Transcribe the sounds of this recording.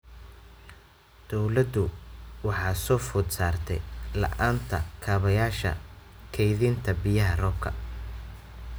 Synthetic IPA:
d̪̥ɔwlɐd̪ʊwɑħɑːsɔːfʊːd̪saːrt̪ʰɛ̰jlɐ̰ʔaːnt̪ʰɐ̰kʰɐːβɐjaːʃɐ̰ | kʰɛjðint̪ʰɐbɪjɐɦɐrɔːb̚kʰɐ̰

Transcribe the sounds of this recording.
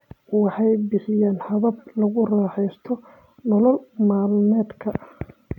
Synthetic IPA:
wɑħɑjbɪħɪjaːnħɑβɐb̚lɐɣʊraːħɛjst̪ʰɔ | nɔlɔlmaːlnɛːd̪kʰɐʔ

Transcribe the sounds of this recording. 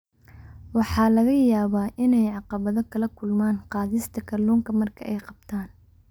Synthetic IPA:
wɑħɑːlɐɣɐjaːβaːʔɪnɛjʕɑqɑβɐðɔkʰɐlɐkʰʊlmaːnqɑːðɪst̪ʰɐkʰɐlɔːŋkʰɐmɐrkʰɐ̰ʔɛjqɑb̥̚t̪ʰaːn

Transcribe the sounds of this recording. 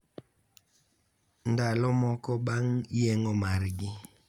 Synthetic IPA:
ndalɔmɔkɔbaŋjɛŋɔmaɾɡi

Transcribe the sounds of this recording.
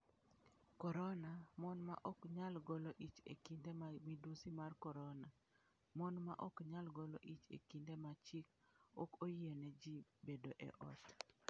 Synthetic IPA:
kɔɾɔnamɔnma̰ʔɔkɲalɡɔlɔʔit͡ʃḛkindemamidusimarkɔɾɔna | mɔnmaʔɔkɲalɡɔlɔʔit͡ʃḛkindemat͡ʃik | ɔkojenɛd͡ʒibedoʔɛ̰ʔɔ̰t

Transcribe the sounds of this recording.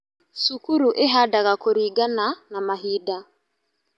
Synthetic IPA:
sukuɾuʔeɦadaɣakoɾiɡananamaɦida

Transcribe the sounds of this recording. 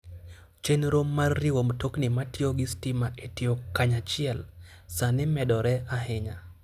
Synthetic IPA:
t͡ʃenɾomːarːiwomtoknɪmatioɡɪstimaʔetɪokaɲat͡ʃɪɛl | sanɪmɛdɔɾɛaɦɪɲa

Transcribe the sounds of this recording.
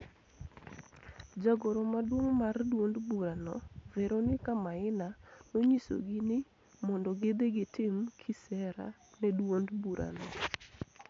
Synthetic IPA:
d͡ʒaɡɔɾɔmadwoŋmardwondbuɾanɔvɛɾonɪkamaɪnanoɲiso̰ɡinɪ | mɔndɔɡed̪eɡɪtɪmkʰisɛɾa̰ | nɛdwondbuɾʔa̰nɔ

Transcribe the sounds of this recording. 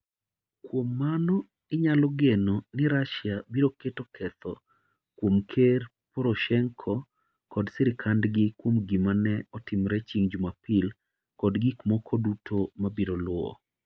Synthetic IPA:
kwomːanɔ | ɪɲalɔɡenɔnɪɾaʃjabiɾoketɔkʰɛt̪ɔ | kwomkʰer | pɔɾoʃɛŋkʰɔ | kɔdsɪɾɪkʰandɡɪkwomɡimanɛɔtɪmɾɛt͡ʃiŋd͡ʒumapɪl | kɔdɡikmɔkʰɔdutʰomabiɾolʊɔ̰

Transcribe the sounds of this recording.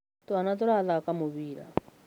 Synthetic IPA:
t̪uanat̪ɔɾaðakamuβiːɾa̰

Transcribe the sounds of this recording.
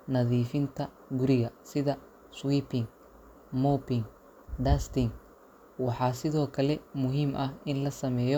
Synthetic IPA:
nɐðiːfɪnt̪ʰɐ | ɡʊɾɪɣɐsɪðɐ | swiːpɪŋ | mɔpɪŋ | ɖast̪ɪŋ | wɑħɑːsɪðɔːkʰɐlɛmʊɦiːmʔɐhʔɪnlɐsɐmɛːjɔ

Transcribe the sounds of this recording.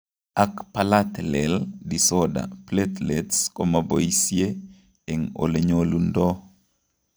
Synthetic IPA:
akpalat̪lɛldisɔda̰plet̪letskomaboisje | eŋo̰leɲolundɔ

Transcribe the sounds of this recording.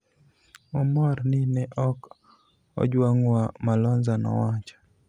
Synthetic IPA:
ɔmɔrnɪnɛʔɔk | ɔ̰d͡ʒwaŋwamalɔnzanɔ̰wat͡ʃḁ

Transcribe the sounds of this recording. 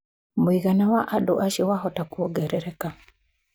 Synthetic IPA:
moiɣanawaʔadɔ̰ʔaʃiwaɦɔtakuɔɡɛɾɛɾɛka

